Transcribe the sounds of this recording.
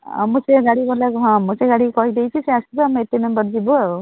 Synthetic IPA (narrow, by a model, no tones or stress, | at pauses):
a̰museɡaɽibɔlakɦɔ̃museɡaɽikɔɦid̪ejt͡ʃʰiseasibɔameet̪emembɔɾd͡ʒibɔau